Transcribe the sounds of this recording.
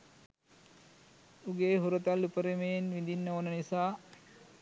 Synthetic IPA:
uɡeːɦuɾət̪alːupəɾemejenʋind̪inːəonənisaː

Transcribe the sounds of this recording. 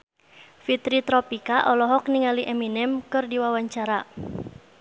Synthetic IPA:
fit̪ɾit̪ɾɔpikaʔɔlɔɦɔk̚niŋaliʔɛminɛmkɨrdiwawaɲt͡ʃaɾa

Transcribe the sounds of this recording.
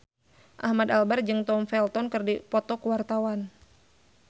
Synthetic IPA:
ʔahmad̪albard͡ʒɨŋt̪ɔmfɛlt̪ɔnkərdipɔt̪ɔkəwart̪awan

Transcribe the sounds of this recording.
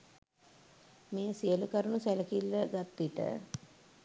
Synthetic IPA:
meːəsijəlukəɾənusæləkilːəɡat̪ːiʈə̰

